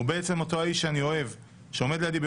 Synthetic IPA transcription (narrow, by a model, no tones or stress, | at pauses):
ubeet͡se̞moto̞aiʃanio̞e̞v | ʃeo̞me̞d̪lead̪ibe